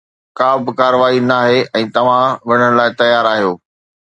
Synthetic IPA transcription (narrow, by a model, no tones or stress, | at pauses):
kaːbɪkaːɾʋaːinaːɦeʔɛ̃ːt̪ɐʋ̤ãʋɐɽ̤̃əɽ̃laːɪt̪ɐjaːɾaːɦijoː